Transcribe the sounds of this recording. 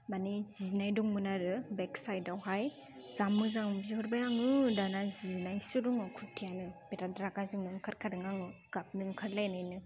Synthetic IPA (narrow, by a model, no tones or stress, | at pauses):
maniz̥iznajduŋmɯnaɾɯbeksajdawɦaj | zamːɯzaŋbzihɔɾbajaŋɯdanaziznajsuɾuŋɔkʰutʰijanɯbeɾadɾakazɯŋnɯŋkʰaɾkʰadɯŋaŋɯɡ̥ap̚nɯŋkʰɯɾlajnajnɯ